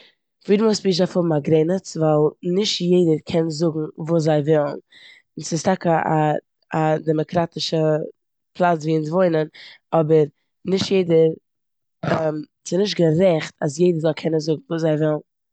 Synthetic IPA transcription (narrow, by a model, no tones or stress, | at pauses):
fiːdəmosbizafhʊbm̩aɡɾeɪnət͡svalˠnɪʃtjeɪdəɾkʰɛnzʊɡŋ̩vuːs̬zaɪvɪlˠn̩ | sɪstakəa | adɛmɔkɾatɪʃə | pʰlˠat͡sviːɪns̬voɪnənɔbəɾ | nɪʃtjeɪdəɾ | ɛm | sɪnɪʃtɡəɾɛχtas̬jeɪdəɾzɔlˠkʰɛnənzʊɡŋ̩vuːszaɪvɪlˠn̩